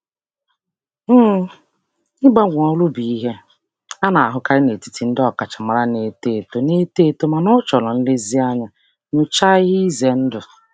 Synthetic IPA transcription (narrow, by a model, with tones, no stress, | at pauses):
m̩˦ | ɪ˦ɡ͡ba˦ɡʷa˨ɔ˦lʊ˦bi˨˦ɦe˦ | a˦na˨a˨ɦʊ˦ka˦ɾɪ˦ne˨ti̥˦ti˨n̩˦dɔ˦ka˨t͡ʃa˨ma˨ɾa˦ne˨te˦˨to˨ne˦te˦˨to˦ma˨nɔ˦t͡ʃɔ˨lɔ˨n̩˦lɪ˦zi˦a˦ɲa˨ | nʊ˨t͡ʃa˦ɣi˦ze˨n̩˦dʊ˨